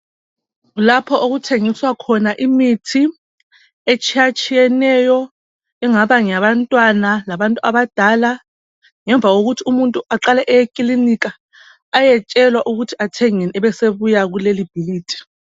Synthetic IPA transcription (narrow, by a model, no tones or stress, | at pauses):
ɣulapʰɔʔoɣutʰeŋiswakʰɔnaʔimitʰi | et͡ʃʰʼijat͡ʃʼʰijɛnɛjɔ | ɛŋaβaŋjaβantʼwanalaβantʼuaβad̥ʱala | ŋɛɱb̪vʱaɣoɣutʰiumuntʼuaǁalɛʔɛjekʼilinik̬ʼaː | jɛt͡ʃʼɛlwaʔuɣutʰiatʰɛŋɛniɛβɛseβujaɣulelib̥ʱiliːtʰi̥